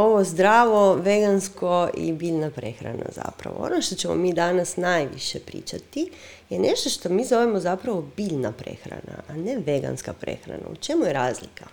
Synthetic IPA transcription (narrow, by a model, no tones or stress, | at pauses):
o̞ʋozd̪ɾaːʋoʋeɡanskoʔḭbiːʎnapɾe̞xɾa̰na̰za̰pɾa̰ʋoo̰noʃt̪o̞t͡ɕemo̰miːd̪anasnajʋḭʃepɾḭːt͡ʃat̪i | jeneʃt̪o̞ʃt̪omiːzoʋemozapɾaʋo̞biːʎnapɾḛxɾa̰na̰aneʋeɡa̰nskapɾe̞̰xɾa̰na̰ut͡ʃe̞mujeɾaːzlikʰa